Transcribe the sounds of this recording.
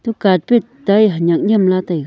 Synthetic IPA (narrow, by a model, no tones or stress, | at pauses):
t̪ukat̚pet̪ajɦɲak̚ɲəmlat̪aj